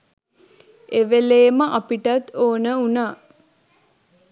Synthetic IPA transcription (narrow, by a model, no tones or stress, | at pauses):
eʋeleːməʔapiʈat̪oːnəunaː